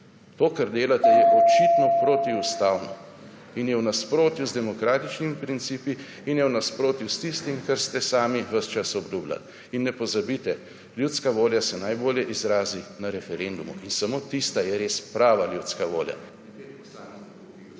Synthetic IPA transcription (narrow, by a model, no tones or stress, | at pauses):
t̪oːkaɾd̪eːlat̪ɛjɛʔɔt͡ʃit̪nɔpɾot̪iust̪aːwnɔ̰ | injɛwnaspɾoːt̪juzd̪ɛmɔkɾaːt̪it͡ʃnimipɾint̪siːpiː | njɛwnaspɾoːt̪just̪ist̪imkaɾst̪ɛsaːmiʋəst͡ʃasɔbluːbla̰l | inːɛpɔzabit̪ɛ | ljut̪skaʋoːljasɛnajboːljɛʔizɾaːzinaɾɛfɛɾend̪umṵʔinsamoːt̪ist̪ajɛɾeːspɾaːʋaljut̪skaʋo̰ːlja̰